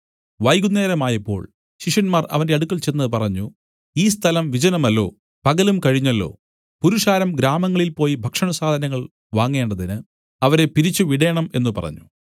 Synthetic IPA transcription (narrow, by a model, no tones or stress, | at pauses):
ʋɐjɡunːe̞ːɾɐmaːjɐpːo̞̰ːɭ | ɕiʂɐnmaːrɐ̰ʋɐnde̞ɐɽukːɐɭt͡ɕenːɐðɨpɐrɐɲːu | iːst̪ʰɐlɐmʋid͡ʑɐnɐmɐlːo̞̰ː | pɐɣɐlumkɐɻiɲːɐlːo̰ː | puɾuʂaːɾɐmɡɾaːmɐŋːɐɭilpo̞ːjibʱɐkʂɐɳɐsaːd̪ʱɐnɐŋːɐɭ | ʋaːŋːe̞ːɳɖɐðinɨ | ɐʋɐɾe̞piɾit͡ɕːuʋiɽɐjɐɳɐme̞̰nːupɐ̰rɐ̰ɲːu